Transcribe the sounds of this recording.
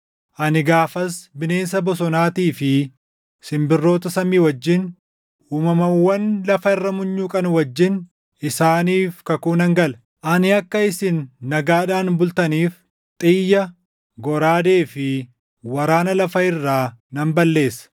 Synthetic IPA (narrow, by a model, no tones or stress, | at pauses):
ʔɐnɪɡaːfɐsbɪne̞ːnsɐbɔs̬ɔnaːt̪iːfɪ | sɪmbɪrːo̞ːt̪ɐsɐmiːwɐd͡ʒːɪn | uːmɐmɐwːɐnlɐfɐɪrːɐmʊɲːuːkʼɐnwɐd͡ʒːɪn | ɪsaːniːfkɐkuːnɐŋɡɐl | ʔɐnɪɐkːɐɪsɪnːɐɡaːᶑaːnbʊlt̪ɐniːf | t̪ʼɪjːɐ | ɡɔɾaːd̪e̞ːfɪ | wɐɾaːnɐlɐfɐɪrːaːnɐmbɐlːe̞ːsːɐ̥